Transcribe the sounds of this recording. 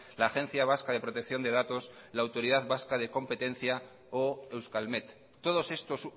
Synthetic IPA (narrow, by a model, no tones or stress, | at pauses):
laːxe̞n̟θjaβ̞askað̞e̞pɾo̞t̪e̞k̚θjo̞nd̪e̞ðat̪o̞slaːwt̪o̞ɾiðaðβaskað̞e̞ko̞mpe̞t̪e̞n̟θja | oe̞wskalmet̪ː | o̞ð̞o̞se̞st̪o̞s